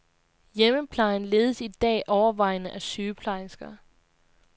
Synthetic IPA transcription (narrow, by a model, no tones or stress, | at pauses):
jeməpʰlɑ̈ɪnle̝ːð̞ˠəsid̥ɛ̰ːʔɒʊɐʋɑ̈ɪnəʔæsyːpʰlɑ̈ɪsɡ̥ɐ